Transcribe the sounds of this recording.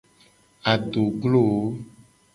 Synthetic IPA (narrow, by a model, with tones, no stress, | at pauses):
a˨ɖo˨ɡlo˦˨wo˦